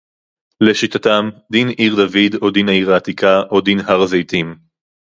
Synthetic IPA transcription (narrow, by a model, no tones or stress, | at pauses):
leʃit̪atamd̪inʔiʁd̪avidod̪inaiʁaːt̪ikaʔod̪inɦaʁzejt̪im